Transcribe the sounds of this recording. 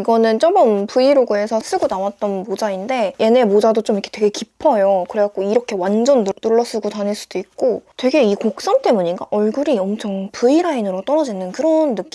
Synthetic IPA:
iɡʌnɯnt͡ɕ͈ʌbʌmpuiɾoɡɯe̞sʰʌs͈ɯɡonawat̚t͈ʌnbod͡ʑainde̞jʔe̞ne̞mod͡ʑadot͡ɕ͈omikʰetwe̞ɡe̞kipʰʌjokɯɾeak͈oiɾʌkʰe̞wand͡ʑʌnnuɭːʌs͈ɯɡotanɦeɭs͈ud̥oik̚k͈otwe̞ɡe̞ikok̚s͈ant͈e̞muɲiɡa̰ʔʌɭɡuɾiʌmt͡ɕʰʌŋpuiɾainɯɾot͈ʌɾʌd͡ʑinɯnkɯɾʌnːɯk͈i

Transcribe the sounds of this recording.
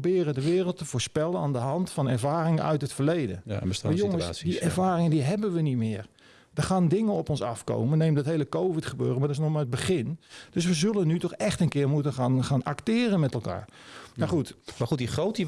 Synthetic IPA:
bɪːrədəʋɪːrəlˠtəvoːspɛlˠənaːndəɦɑntfɔnɛɹvaːrɪŋənœ̰ɥtɦətfərlejdə̰n̰əstjoŋəsdiɛrvaːrɪŋədiɦɛbənʋənitmɪːər | dərxaːndɪŋənɔpɔnsɑfko̰wmənejmədtɦejləkowvɪtχəbø̰ːrəmaɹdɪsnɔχmaɹəd̚bəχɪnd̥øs̬ʋəzɵlənytɔχɛχtənkɪːrmutəanχaːnaktɪːrənmɛtɛlˠka̰ːɹmaxutmaxutdiχrowti

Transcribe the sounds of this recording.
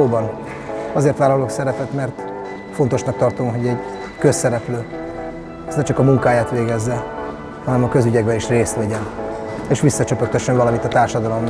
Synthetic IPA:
oːbɒn | ɒzeːrt̪ʋaːlɒloksɛɾɛpɛt̪mɛrt̪ | fo̞nt̪o̞ʃnɒk̚t̪ɒrt̪o̞mɦo̞ɟɛɟ | kø̞sːɛɾɛpløː | ɛsnɛt͡ʃɒkɒmuŋkaːjaːt̪ʋeːɡɛzːɛ | hɒnɛmɒkø̞zyɟɛɡ̚bɛliʃreːst̪lɛɟɛneːʃʋisːɒt͡ʃøpørt̪øʃːøɱvɒlɒmit̪ɒt̪aːrʃɒd̪ɒlo̞mː

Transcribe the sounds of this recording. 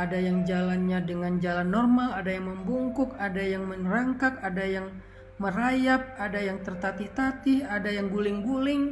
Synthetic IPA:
adajaŋd͡ʒalanɲadəŋand͡ʒalanːɔrmaladajaŋməmbuŋkʊkadajaŋmənraŋkakadajaŋ | mərajap̚adajaŋt̪ərt̪at̪ɪht̪at̪ɪhadajaŋɡulɪŋɡulɪŋ

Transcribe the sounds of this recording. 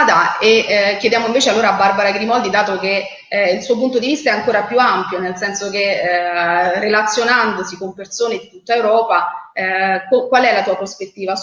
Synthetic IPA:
d̪aekːjed̪jaːmoiɱveːt͡ʃealːoːɾaːbːarbaɾaɡɾimɔld̪id̪aːt̪oke | ilsuːop̬unt̪̬od̪ivist̪aɛaŋkoːɾapjuampjonelsɛnsok̟e | relat̪sːjonand̪osikompersoːned̪it̪ut̪ːaewɾɔːpa | kokwalɛlat̪uːapɾospet̪ːiːva

